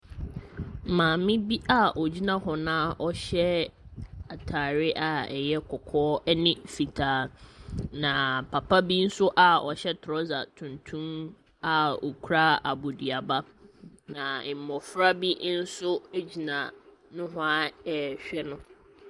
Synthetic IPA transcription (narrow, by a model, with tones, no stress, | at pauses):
mãː˨mɪ̃˦bi˦ʔa˦ʔɔ˨d͡ʑi˦nã˦ɦɔ˨nãː˦ɔ˦ɕɛ˦ | a˨tʰaː˨ɾɪ˦ʔa˨ɛ̰˨jɛ˦kʰɔ˨kʰɔː˦ɛ˦nɪ̃˦fi˨tʰaː˨ | nã˨pʰa˨pʰa˦bi˦n̩˦sʊ˦ʔa˨ɔ˨ɕɛ˦tʰɾɔ˦za̰˨tʰũ˨ntʰũ˦m | a˦ɔ̰˨kʰu˦ɾa˦a˨bo˨di˨a˨ba˦ | nã˨m̩˨mɔ˨fɾa˦bi˦n̩˦sʊ˦e˦d͡ʑi˨nã˨ | nʊ̃˦ɦʊ˦a˦ɛ˨ɕᶣɛ˦nʊ̃˦